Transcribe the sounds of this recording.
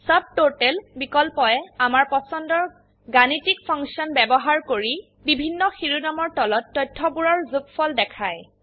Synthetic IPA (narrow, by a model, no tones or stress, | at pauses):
sab̚totɛlbikɔlpɔɛamaɹpɔsɔndɔɹ | ɡanitikpʰɔŋksiɔnbɛbɔɦaɹkoɹi | bibʱinːɔxiɹunamɔɹtɔlɔtːɔjtʰːɔbuɹɔɹzukfɔldɛkʰaj